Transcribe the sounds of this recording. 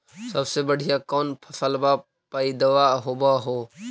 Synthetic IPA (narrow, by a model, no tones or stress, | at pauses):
səbsebəɽ̤ʱijakɔːnpʰəsəlba | paːid̪əʋaːɦoːbaɦoː